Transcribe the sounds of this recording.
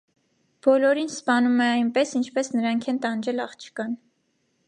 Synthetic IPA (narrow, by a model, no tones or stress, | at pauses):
b̥ɔlɔɾinspɑnumɛɑjnpɛsint͡ʃʰpɛsnəɾɑŋkʰɛnt̪ɑnd͡ʒɛlɑχt͡ʃʰə̥kɑn